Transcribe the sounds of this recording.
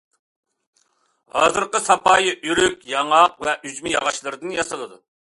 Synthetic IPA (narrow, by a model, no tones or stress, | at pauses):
hɑ̰ːzɨɾqəsɑpɑːjiʔyɾykʲjɑŋɑqvɛʔyzmɪjɑʁɑʃlˠɨɾɨd̪ɨnjɑsɨlˠɨd̪u